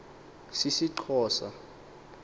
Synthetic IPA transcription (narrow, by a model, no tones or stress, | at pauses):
sisiǃʰɔːsa̰